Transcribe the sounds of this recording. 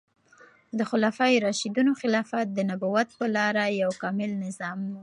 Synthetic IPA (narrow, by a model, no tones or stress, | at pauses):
d̪əxʊlɑfɑjɾɑʃid̪unoxɪlɑfat̪̚d̪ənabuwat̪̚pəlɑɾajawkɑmɪlnɪzɑmwu